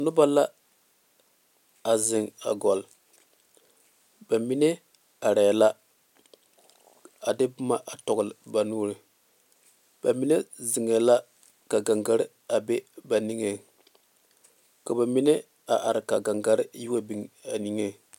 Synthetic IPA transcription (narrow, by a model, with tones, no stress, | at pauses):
nʊ˦ba˦la˦ | a˨zɪ˨ŋa̰˨ɡɔ˨l | ba˨mi˦ne˦ | a˨ɾɛ˨la˦ | a˨de˦bʊ˦ma˦ʔa˨tɔ˨ɡlba˨nuː˦ɾɨ˨ | ba˨mi˦ne˦zi˨ŋe˨la˦ | ka˨ɡa˨ŋɡa˦ɾ | a˨be˦ba˨ni˦ŋe˨ | ka˨ba˨mi˦ne˦ | a˨ʔa˨ɾka˨ɡa˨ŋɡa˦ɾju˦wa˦bi˨˦ŋa˨ni˨ŋe˦